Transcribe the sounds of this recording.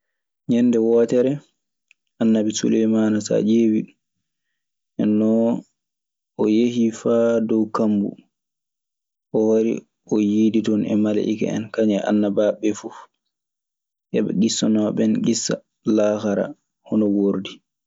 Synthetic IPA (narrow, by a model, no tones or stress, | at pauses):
ɲɛnːdɛwɔːtɛɾɛ | ʔanːabisṵlɛjmanasa̰d͡ʒewi | ʔɛnːɔ | ʔɔjeɦifadɔwkambṵ | ʔɔhoɾḭ | ʔɔjiditɔnɛ̰mala̰ʔika̰ɛ̰nkaɲɛʔa̰nːabaɓːɛfu | ʔɛɓɛ̰ɡisːɔnɔɓɛnɡisːa̰ | laxaɾa̰ | hɔnɔwoɾdi